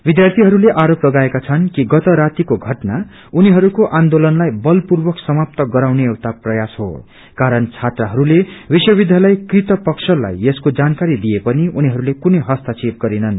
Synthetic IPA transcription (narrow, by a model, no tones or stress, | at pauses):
bid̪jart̪ʰiɦʌɾuleʔaɾoplʌɡaekat͡sʰʌnkiɡʌt̪ʌɾat̪ikoɡʱʌʈna | uniɦʌɾukoʔand̪olʌnlajbʌlpurbʌksʌmap̚t̪ʌɡʌɾawneewt̪aprʌjasɦo̰ | kaɾʌnt͡sʰat̪rʌɦʌɾulebiswʌbid̪ʱjalajkrit̪ʌpʌksʰʌla̰jeskod͡zankaɾid̪iepʌniuniɦʌɾulekunʌɦʌst̪at͡sep̚ɡʌɾinʌn